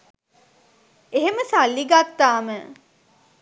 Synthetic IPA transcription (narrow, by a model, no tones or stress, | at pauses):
eɦeməsalːiɡat̪ːaːmə